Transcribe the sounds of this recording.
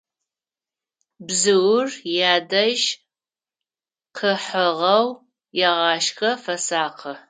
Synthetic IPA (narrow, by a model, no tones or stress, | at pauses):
bzɨwʊrjaːdɐʒ | qʰəħəʁɐw | jɛʁɑːʃxɐfɐsaːqʰə